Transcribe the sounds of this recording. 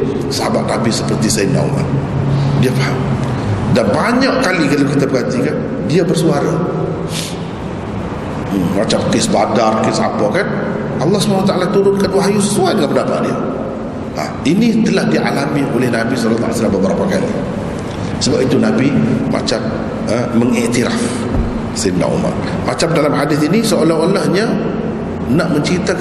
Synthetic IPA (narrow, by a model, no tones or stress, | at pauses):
saabat̪̚nabisəpərt̪isana̰w̰la̰ | diafahamdanbaɲaʔkalikat̪lkait̪abəɡat̪ikan | diabərsuaɾa | mat͡ʃamkɪsbadarkɪsa̰pakan | ʔɑlːɑhsubanawat̪aʔalat̪uɾʊnkanwaɦajuəsuat̪̚dəŋanpəndapa̰ʔ̪̚dia̰ | a̰ | init̪əlahdia̰lamiʔolɛhnabisɔlt̪ːa̰a̰salambəbəɾapakalḭ | səbapit̪unabima̰t͡ʃam | əːəŋiʔt̪iɾa̰f | sɪndã̰ʔṵma̰r | mat͡ʃamdalamɦadɪθinisoʔolaɦolahɲa | naʔməɲt͡ʃɾit̪a